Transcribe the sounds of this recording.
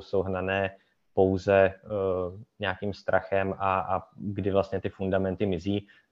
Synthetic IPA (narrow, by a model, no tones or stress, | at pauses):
sowɦnanɛː | po̞wzɛ | ɲɛaːkiːmst̪ɾʔaxɛmʔaaɡdɪvlast̪ɲɛt̪ɪfundamɛnt̪ɪmɪziː